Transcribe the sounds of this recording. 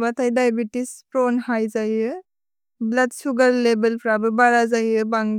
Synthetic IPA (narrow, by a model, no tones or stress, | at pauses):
batʰajdajbitispɾɔnhajzaɦiɯ | blat̚suɡaɾlebelpʰɾabɯbaɾazaɦiɯbaŋ